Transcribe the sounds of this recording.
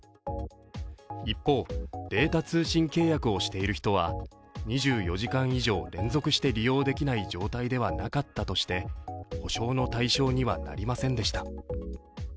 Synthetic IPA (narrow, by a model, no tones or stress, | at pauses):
ipːo̞ːd̪̥e̞ːt̪at͡sɨːɕĩŋke̞ːjakɯ̟o̞ɕi̥t̪e̞iɾɯ̟çi̥t̪o̞β̞a̰ | ɲ̟iʑɨːjo̞ʑikãɰ̃iʑo̞ːɾẽ̞nd͡zo̞kɯ̟ɕi̥t̪e̞ɾʲijo̞ːd̪e̞kʲinaid͡ʑo̞ːt̪aid̪e̞β̞anakat̪ːat̪o̞ɕi̥t̪e̞ho̞ɕo̞ːno̞t̪aiɕo̞ːɲ̟iβa̰na̰ɾʲimasẽ̞nd̪e̞ɕi̥t̪ḁ